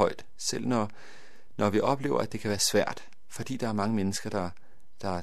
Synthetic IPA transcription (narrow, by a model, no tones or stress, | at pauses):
ɒ̽ɪ̰d̥ | sel̰nɒ | nɒʋiʔɒ̽b̥le̝̰ːʊɐæd̥e̝kʰæʋæːɐsʋæɐ̰d̥ | fɒ̽d̥ḭːd̥ɑ̈æɐmɑ̈ŋəmenəsɡ̥ɐd̥ɑ̈ | d̥ɑ̈